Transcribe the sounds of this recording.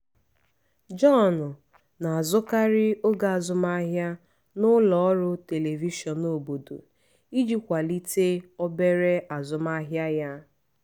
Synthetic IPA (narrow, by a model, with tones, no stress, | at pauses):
d͡ʒɔ˦˨nʊ˨ | na˨a˨zʊ˦ka˦ɾɪ˦o˦ɡa˨a˨zʊ˦ma˦ɦja˦ | nʊ˦lɔ˨ɔ˦ɾʊ˦te˨le˨vi˦ʃɔ˨no˨bo˨do̰˨ | i˦d͡ʒi˦kʷa˨li˦te˦ɔ˦be˦ɾe˦ʔa˨zʊ˨ma˦ɦja˦ja˦